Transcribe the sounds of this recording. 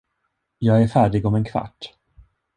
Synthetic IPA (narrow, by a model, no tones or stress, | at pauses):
jɑːɡæɾfæːɖɪɡɔmɛnkʰva̰ʈː